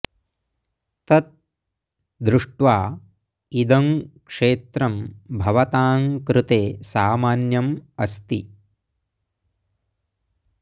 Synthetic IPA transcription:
t̪ɐt̪̚ | d̪ɾuʂʈʋaː | id̪ɐŋkʂeːt̪ɾɐmbʱɐʋɐt̪aːŋkɾɪt̪eːsaːmaːnjɐmɐst̪i

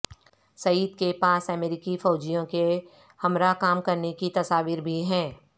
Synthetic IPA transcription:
sɐiːd̪kepaːsɛmeːɾɪkifɔːd͡ʒijõke | hɐmɾakaːmkɐɾnekit̪ɐsaːʋiːɾbʱiɦɛ̃ː

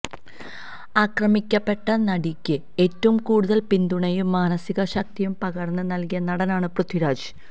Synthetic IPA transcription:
aːkrɐmikʲːɐpːe̞ʈːɐnɐɽikʲːɨ | e̞ːtːɐʋumkuːɽuðɐlpind̪uɳɐjumːaːnɐsiɣɐɕɐk̚t̪ijumpɐɣɐɽɐnːɨnɐlkijɐnɐɽɐnaːɳɨprud̪ʱiɾaːd͡ʑ

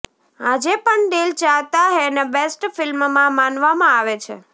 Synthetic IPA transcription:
ad͡ʒepəɳɖelt͡ʃaʋt̪aɦenebesʈfɪlmmãmanʋamãaʋet͡ʃʰḛ

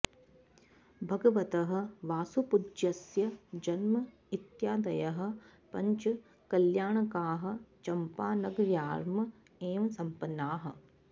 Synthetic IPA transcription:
bʱɐɡɐʋɐt̪ɐɦɐ̆ʋaːsupud͡ʒɐsjɐd͡ʒɐnmɐ | it̪jaːd̪ɐjɐɦɐ̆ | pɐɲt͡ʃɐ | kɐljaːɳɐkaːɦɐ̆t͡ʃɐmpaːnɐɡɾjaːɾmɐ | eːʋɐsɐmpɐnːaːɦɐ̆

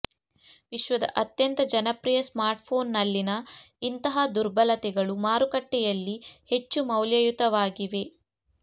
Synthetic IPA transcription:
ʋiʃʋɐd̪ɐ̰ʔɐt̪jɐnt̪ɐd͡ʒɐnɐpɾijɐsmaːɾʈpʰo̞ːnːɐlːinɐint̪ɐɦɐd̪uɾbɐlɐt̪ɛɡɐɭumaːɾukɐʈːɛjɐlːihe̞t͡ʃːumɐwljɐjut̪ɐʋaːɡiʋe̞

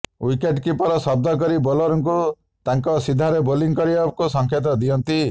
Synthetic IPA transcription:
wikeʈkipɔɾɔsɔb̚d̪ʱɔk̬ɔɾibɔlɔɾɔŋku | t̪aŋkɔsid̪ʱaɾeboliŋkɔɾiakusɔŋkʰet̪̬ɔd̪iɔnt̪i

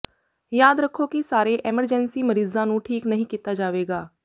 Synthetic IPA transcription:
jaːd̪ɾəkʰːoːkɪsaːɾeːʔɛːməɾd͡ʒɛːnsiːməɾiːzãːnũːʈʰiːknəɦĩːkiːt̪aːd͡ʒaːʋeːɡaː

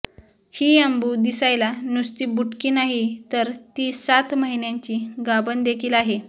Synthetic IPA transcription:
hiːəmbuːd̪isajlanust̪iːbuʈkiːnaɦit̪əɾt̪iːsat̪məɦinjãɲt͡ɕiːɡabənd̪ekʰiːlaɦe

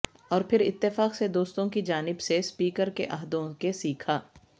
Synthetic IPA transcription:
ɔːɾpʰɪɾɪ̰t̪ːɪfaːqsed̪oːst̪õkid͡ʒaːnɪbsespiːkəɾkeʔɐɦd̪õkesiːkʰaː

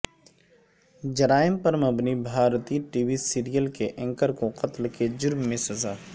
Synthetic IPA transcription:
d͡ʒɐɾaːjɪmpɐɾmɐbnibʱaːɾt̪iːʈiːwisiːɾijəlkeʔɐ̃ŋkəɾkoqɐt̪lked͡ʒʊɾmːẽsɐzaː

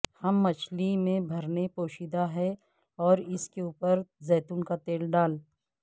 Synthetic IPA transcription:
hɐmːɐt͡ʃʰlimẽbʱɐɾnepoːʃid̪aɦɛ | ɔːɾɪskeuːpəɾzɛːt̪ʊnkat̪eːlɖaːl

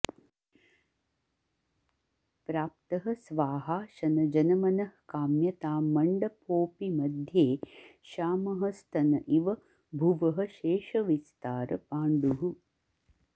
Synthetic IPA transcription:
pɾaːp̚t̪ɐɦɐ̆sʋaːɦaːʃɐnɐd͡ʒɐnɐmɐnɐhkaːmjɐt̪aːmɐɳɖɐpoːpimɐd̪ʱjeːʃaːmɐɦɐst̪ʰɐnɐʔiʋɐ | bʱuʋɐɦɐ̆ʃeːʃɐʋist̪aːɾɐ̰paːɳɖuɦu

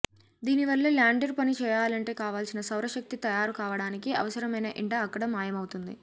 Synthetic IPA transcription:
d̪iːniʋɐlːeːljaːɳɖeɾpɐnit͡ʃɛːjaːlɐɳʈe̞ːkaːʋaːlsinɐsɐwɾɐʃɐk̚t̪it̪ɐjaːɾukaːʋɐɽaːnikiɐ̰ʋɐsɐɾɐmɐjnɐʔiɳʈɐːkːɐɽɐmaːjɐmɐwut̪und̪ḭ

